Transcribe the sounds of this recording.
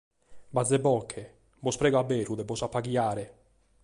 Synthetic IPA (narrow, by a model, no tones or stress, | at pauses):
bad̪zːebɔkʰːe | bɔspɾɛːɡoabɛːɾud̪ebɔsapːaɡiaːɾe